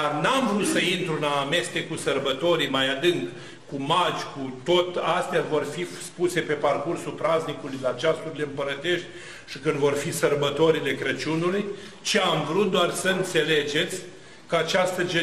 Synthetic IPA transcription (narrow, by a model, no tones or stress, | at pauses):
arnamvɾut̪səint̪ɾulaːme̞st̪e̞kusərbət̪o̞ɾijmajad̪ɨŋkː | umad͡ʒʲkut̪o̞t̪ast̪ejavo̞rfispuse̞pe̞parkursupɾaznikulujlat͡ʃast̪uɾleɨmpəɾət̪e̞ʃt̪̚ʲ | ʃikɨnd̪vo̞rfisərbət̪o̞ɾile̞kɾət͡ʃunuluj | t͡ʃiamvɾut̪̚d̪oarsəɨnt̪se̞le̞d͡ʒe̞t̪sʲ | kəat͡ʃast̪əd͡ʒe